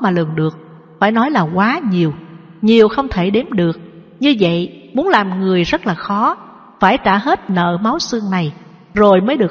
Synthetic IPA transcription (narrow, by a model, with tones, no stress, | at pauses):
maː˨˩lɨ˨˩ŋɗɨ˨˩ək̚ | faː˧˩jnɔ˨˦jlaː˨˩kwaː˨˦ɲi˨˩əw | ɲi˨˩əwxə˧wŋ͡mt̪ʰe˧˩ɗe˨˦mɗɨ˨˩ək̚ | ɲɨ˧və̰˧˨jmu˨˦ənlaː˨˩mŋɨ˨˩əjzə˦˥t̚laː˨˩xɔ˨˦ | faː˧˩jt̪aː˧˩ɦe˦˥t̚nə̰ː˧˨ma˨˦wsɨ˧əŋna˨˩j | zo˨˩jməː˨˦jɗɨ˨˩ə